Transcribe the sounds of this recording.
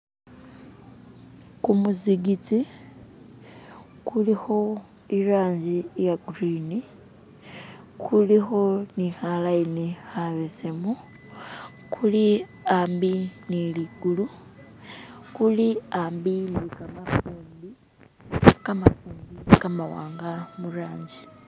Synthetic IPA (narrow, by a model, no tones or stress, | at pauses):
kumuziɡit͡si | kulixo̞ | iɾaːɲd͡ʒijaɡuɾini | kʰulixo̞nixalainihaβesemu | kʰuli | aːmbiniliɡulu | kuliambinikamafuːmbi | kamafuːmbikamawa̰ːŋɡamuɾaːɲɟi̥